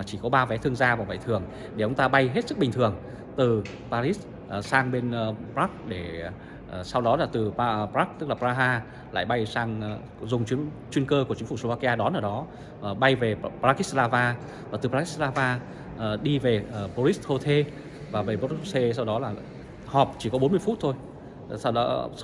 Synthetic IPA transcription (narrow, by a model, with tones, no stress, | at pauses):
t͡ɕi˧˩kɔ˨˦ɓaː˧vɛ˨˦t̪ʰɨ˧əŋzaː˧vaː˨˩wvə̰˧˨jt̪ʰɨ˨˩əŋ | ɗe˧˩ʔə˧wŋ͡mt̪aː˧ɓa˧jɦe˦˥t̚sɨ˦˥k̚ɓï˨˩ŋt̪ʰɨ˨˩əŋ | t̪ɨ˨˩ | paː˧ɾi˦˥s | ʔsaː˧ŋɓe˧npɾaː˦˥k̚ɗe˧˩˨ | sa˧wɗɔ˨˦laː˨˩t̪ɨ˨˩˧pɾaː˦˥k̚t̪ɨ˦˥k̚laː˨˩paː˧ɦaː˧ | la̰ː˧˨jɓa˧jsaː˧ŋ | zʊ˨˩ŋ͡mt͡ɕwi˨˦ən | t͡ɕwi˧ənkəː˧ku˧˩ət͡ɕï˨˦fu˧˩slo˧vaː˧ki˧aː˧ɗɔ˨˦nʔəː˧˩ɗɔ˨˦˨ | ɓa˧jve˨˩pɾaː˦˥ki˦˥slaː˧vaː˧ | vaː˨˩t̪ɨ˨˩pɾa˧˥ki˦˥slaː˧vaː˧˩ | ɗi˧ve˨˩ʔə˨˩po˧ɾi˦˥sho˧t̪ʰe˧ | vaː˨˩ve˨˩ɓo˨˦tse˧sa˧wɗɔ˨˦laː˨˩ | hɔ˨˩p̚t͡ɕi˧˩kɔ˨˦ɓo˨˦nmɨ˧əjfu˦˥t̚t̪ʰo˧j | sa˧wɗɔ˨˦